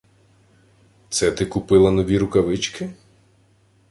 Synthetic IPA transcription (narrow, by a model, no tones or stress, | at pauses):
t̪sɛt̪ɪkʊpɪlˠɐnɔʋʲiɾʊkɐʋɪt͡ʃkɪ